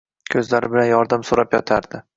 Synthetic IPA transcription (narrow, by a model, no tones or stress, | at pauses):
kʲʰɵzlaɾɪbɪlanjɒɾd̪amsoɾapjɒt̪ʰaɾd̪ɪ